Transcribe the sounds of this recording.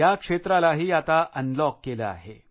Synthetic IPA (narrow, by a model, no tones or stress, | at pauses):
jakʂet̪ɾalaɦiːat̪aʔənlɔkːeləa̰ɦe